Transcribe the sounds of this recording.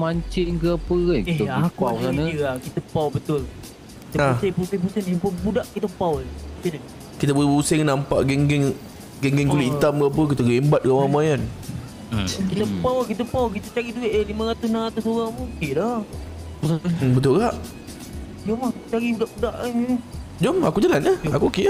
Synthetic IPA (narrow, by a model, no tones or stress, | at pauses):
maɲt͡ʃɪnkəapəaeakaksanəəaʔkit̪əpawbət̪ʊl | kit̪əasepusepusənipəbudaʔkit̪əpaweukinə | kit̪əbuuseŋnampa̰ʔɡɛŋɡɛŋ | ɡɛŋɡɛŋkuliit̪amɡəap̬ək̬it̪əɡembat̪̚ɡawamajan | kit̪əpawkit̪əpawk̬it̪ət͡ʃaɾid̪ueʔəlimə̃ɣat̪ʊsnaat̪ʊsoɣaŋmukeda | usabət̪ʊlɣaʔ | d͡ʒomakit̪ət͡ʃaɾibudaʔbudaʔad͡ʒomakud͡ʒalanəhakuokeə